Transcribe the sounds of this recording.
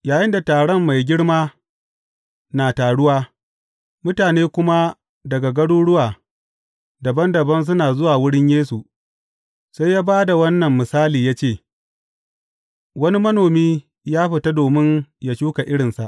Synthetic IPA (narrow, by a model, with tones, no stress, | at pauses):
jaː˨jɪ˦nda˨taː˨ɽɔ˦mːa˨jɡʲɪ˦ɽmaː˦ | naː˨taː˨ɽʊ˦waː˦ | mʊ˦taː˨neː˦kʷʊ˦ma˦ | dɐ˨ɡa˨ɡɐ˦ɽuː˦ɽʊ˦waː˨ | dɐ˨bɐ˦ndɐ˨bɐ˦ns̬ʊ˦naː˨zʊ˦waː˨wʊ˦ɽɪ˦ɲjeː˦su˨ʔ | sa˦jːaː˦baː˦da˨wɐ˦nːɐ˨mːɪ˨saː˦liː˨jaː˦t͡ʃeː˦˨ | wɐ˦ni˦mɐ˦noː˨miː˦ | jaː˦ɸɪ˨ta˦doː˨mɪ˦ɲja˨ʃuː˦ka˨ʔɪ˦ɽɪ˨nsa˨ʔ